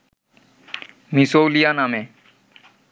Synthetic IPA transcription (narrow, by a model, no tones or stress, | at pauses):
misowlijaname